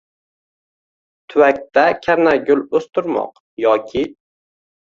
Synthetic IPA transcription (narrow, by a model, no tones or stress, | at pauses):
t̪ʰʊwak̚ʲt̪akʲʰaɾnaɡʲʊlɵst̪ʊɾmɒ̰q | jɒkʲʰɪ